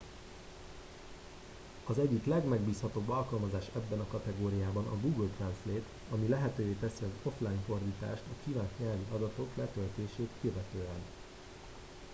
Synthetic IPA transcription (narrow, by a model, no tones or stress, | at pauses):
ɒzɛɟːiklɛɡmɛɡbiːshɒt̪obːɒlkɒlmɒzaːʃɛbːɛnɒkɒt̪ɛɡoːɾijaːbɒnɒ̰ɡuɡəlt̪rɛnsleːt̪ | ɒmilɛɦɛt̪øːveːt̪ɛsiɒzo̞flaːjnfo̞rd̪iːt̪a̰ːʃt̪ɒkivaːnʃɲaːviɒd̪ɒt̪o̞klɛt̪ølt̪eːʃeːt̪køvɛt̪øːɛn